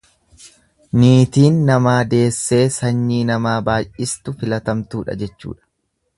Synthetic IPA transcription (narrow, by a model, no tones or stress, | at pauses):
niːt̪iːnːɐmaːd̪e̞ːsːe̞ːsɐɲːiːnɐmaːbaːjʔʔɪst̪ʊfɪlɐt̪ɐmt̪uːᶑɐ̰d͡ʒɛt͡ʃːṵːᶑɐ̥